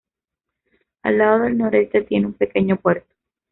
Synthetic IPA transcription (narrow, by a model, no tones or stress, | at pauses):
a̰lːaðo̞ðe̞lno̞ɾe̞st̪et̪je̞neumpe̞ke̞ɲo̞pwe̞ɾt̪o̥